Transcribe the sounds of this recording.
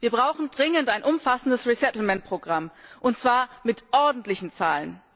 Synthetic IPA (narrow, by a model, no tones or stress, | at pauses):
viːɐbʁaʊxn̩dʁɪŋəntaɪnʔʊmfasn̩dəsʁisɛtl̩mɛnt̚pʁ̥oɡʁamʔʊntt͡sv̥aːɐmɪtʔɔɐdn̩tlɪçn̩t͡sa̰ːlən